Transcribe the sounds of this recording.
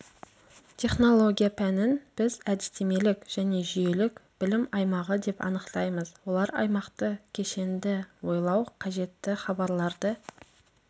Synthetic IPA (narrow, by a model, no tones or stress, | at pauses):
t̪ʲʰe̞χno̞lˠo̞ɡʲijapʰænɪnb̥ɪzæd̪ɪst̪eme̞lɪkʒ̥æne̞ʒʏje̞lɪkb̥ɪlɪmɑjmɑʁəd̪e̞pɑ̰nəqt̪ɑjməzwo̞lˠɑɾɑ̰jmɑqt̪əkʲʰe̞ʃe̞nd̪ɪwo̞jlˠɑwqʰɑʒe̞t̪ːɪχɑbɑɾlˠɑɾd̪ə